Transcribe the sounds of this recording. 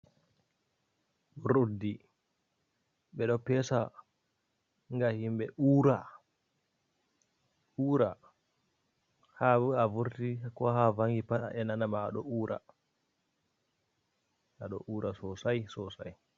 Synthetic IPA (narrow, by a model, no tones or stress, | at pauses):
ɾodːi | ɓɛɗɔpɛsa | ŋɡahimbɛuɾa | uːɾa | haavuɾtikɔhavaŋɡipaɗa̰ʔɛnanamaːɗɔuːɾa̰ | ʔaɗɔ̰ʔuːɾasɔsajsɔsa̰j